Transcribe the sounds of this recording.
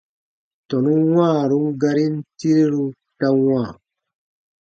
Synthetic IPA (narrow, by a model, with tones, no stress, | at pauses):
tɔ˨nu˦wãː˦˨ɾu˦ŋ˦ɡa˧ɾi˦n˦ti˦ɾi˦ɾu˦ | ta˧wãː˦˨